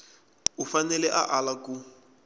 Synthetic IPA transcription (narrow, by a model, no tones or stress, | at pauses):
ufanɛlɛʔaʔalaku